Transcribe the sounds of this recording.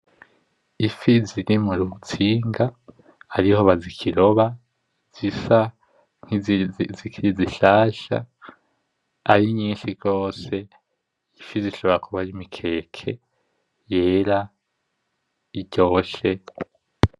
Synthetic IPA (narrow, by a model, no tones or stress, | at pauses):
ifiziɾimuɾut͡siːŋɡaː | ɾiho̞βazikʰiɾo̞βa | z̥isa | ŋ̥hizikʰiɾiziʃaːʃa̰ | aɾiɲiːnʃiɡɡo̞ːse̞ | ifiziʃoβe̞ɾakuβaɾimikʰe̞ːkʰe̞ | je̞ːɾa | iɟo̞ːʃe̞